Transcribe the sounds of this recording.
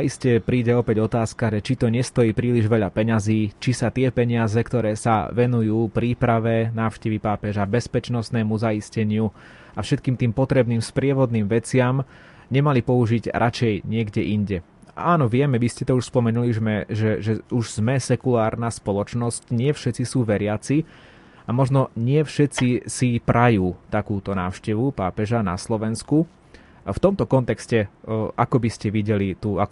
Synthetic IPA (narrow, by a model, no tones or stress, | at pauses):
aiscɛpɾiːɟɛɔpɛɟɔt̪aːskaʒɛt͡ʃit̪ɔɲɛst̪ɔjiːpɾiːliʒʋɛʎapɛɲaziːt͡ʃisat̪ɪɛpɛɲɪazɛkt̪ɔɾɛːsa̰ʋɛnujuːpɾiːpɾaʋɛnaːʊʃcɛʋipaːpɛʒabɛspɛt͡ʃnɔsnɛːmuzaiscɛɲɪu | afʃɛt̪̚kiːmt̪iːmpɔt̪ɾɛbniːmspɾɪɛʋɔd̪niːmʋɛt͡sɪam | ɲɛmalipɔuʒiɟɾʔat͡ʃɛjɲɪɛɡɟɛʔiɲɟɛ | aːnɔʋɪɛmɛʋiscɛt̪ɔuʃspɔmɛnuliʒmɛʒɛʒɛuʒz̥mɛsɛkulaːɾnaspɔlɔt͡ʃnɔscɲɪɛfʃɛt͡sisuːʋɛɾɪat͡si | amɔʒnɔɲɪɛfʃɛt͡sisipɾajuːt̪akuːt̪ɔna̰ːʊʃcɛʋupaːpɛʒana̰slɔʋɛnsku | ft̪ɔmt̪ɔkɔnt̪ɛkscɛʔakɔbiscɛʋiɟɛlit̪uak